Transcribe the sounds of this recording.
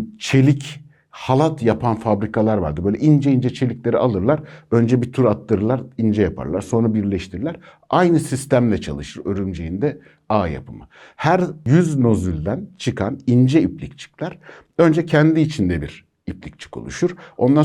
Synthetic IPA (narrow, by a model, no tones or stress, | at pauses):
t͡ʃʰe̞lʲic | halˠat̪ʰjapʰanfabɾikʰalˠaɾva̰ɾd̪ɯbøjlʲɛʔind͡ʒɛind͡ʒɛt͡ʃʰe̞lʲiclʲe̞ɾialˠɯɾlˠaɾø̞nd͡ʒɛbit̪ʰyɾat̪lːˠɯɾɯlˠaɾind͡ʒɛjapʰa̰ɾlˠaɾso̞nɾabiɾlʲɛʃt̪ʰiɾilʲæɾ̥ | ajnɯsist̪æmlʲɛt͡ʃʰa̰lˠɯʃɯɾø̞ɾymd͡ʒejind̪ɛ | aːja̰pʰɯma | hæɾjyzno̞zylʲd̪ænt͡ʃʰɯkʰanind͡ʒɛiplʲic̚t͡ʃʰɯ̥klʲˠæɾ̥ | ø̞nd͡ʒɛcʰɛnd̪iːt͡ʃʰind̪ɛbiɾ | iplʲic̚t͡ʃʰi̥kʰo̞̰lˠṵʃuɾ̥o̞nd̪a